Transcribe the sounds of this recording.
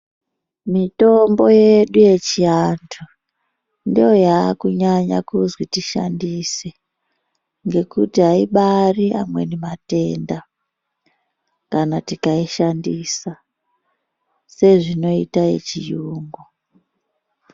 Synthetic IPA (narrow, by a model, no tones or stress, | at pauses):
mito̞mbo̞je̞ɗuje̞t͡ʃiantʰu | ndijo̞jakuɲaɲa̰kuzwitiʃa̰ndise | ŋɡe̞kutiɦaiɓaria̰mwe̞nemate̞nda | kanatikaiʃandisa | se̞ʐino̞itaje̞̰t͡ʃijuːŋɡo